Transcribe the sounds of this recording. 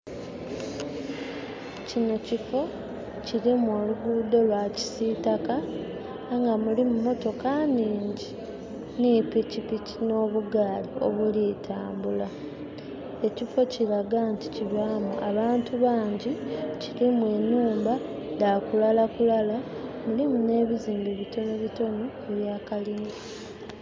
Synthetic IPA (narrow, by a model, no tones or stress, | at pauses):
cino̞cifo̞ | cilimwo̞ːluɡuːdo̞lwaːci̥sitaka | ŋɡamulimumo̞to̞kaniːɲɟi | nipicipicino̞ːβuɡaːlio̞̰βuliːtʰaːmbula | e̞cifo̞ciɾaɡanti̥ciβaːmuʔaβaːntuβaːɲɟicilimwe̞nuːmba | dakulalakulalamulimune̞ːβiziːmbiβito̞noβito̞no | eβjaːkalini